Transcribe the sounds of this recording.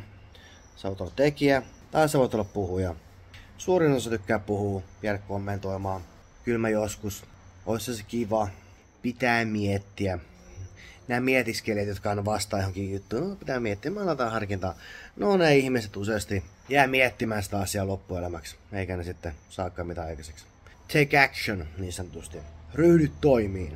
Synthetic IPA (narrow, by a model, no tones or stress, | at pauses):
seʋoˑt̪olːɑt̪t̪ekiæ | t̪ɑiseɑʋoˑt̪olːɑppuhujɑ | suːrinosɑt̪ykːæːppuhuːpiælekkomːent̪oimɑː | kylmæjoskus | ʔoishɑsekiʋɑ | pit̪æːmiet̪ːiæ | næːmiet̪iskeliæt̪jot̪kɑɑnːɑʋɑst̪ɑːjohoŋkiːjjut̪ːuːnopit̪æːmiet̪ːiæmælɑt̪ɑːhɑrkint̪ɑːnoneihmiset̪useɑst̪i | jæːmiet̪ːimæːnsi̥t̪æɑsiɑlopːuelæmækseikænesit̪ːesɑːkːɑːmit̪æɑikɑseks | t̪ʰekækʃonniːnsɑnːot̪ust̪iryhdyt̪toimiːn